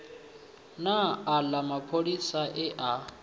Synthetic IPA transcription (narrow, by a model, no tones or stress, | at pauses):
naːlamapʰolisaʔɛʔa